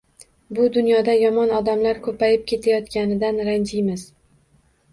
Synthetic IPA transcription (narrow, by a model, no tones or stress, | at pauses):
bʊd̪ʊnjɒd̪ajɒmɒnɒd̪amlaɾkʰɵpʰajɪp̚kʲʰe̞t̪ʰajɒt̪kʲanɪd̪anɾand͡ʒɪjmɪz